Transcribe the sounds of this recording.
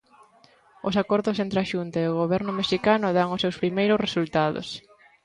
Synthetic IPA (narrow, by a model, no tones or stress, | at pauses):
ʊsakɔɾðʊsent̪ɾeaʃunt̪aeoɣ̞oβ̞ɛɾnʊmeʃikanʊðaŋʊsewspɾimejɾʊsresult̪aðo̰s